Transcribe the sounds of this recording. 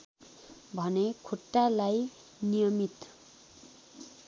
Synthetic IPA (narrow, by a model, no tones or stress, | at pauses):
bʱʌnekʰoʈːalaj | nijʌmit̪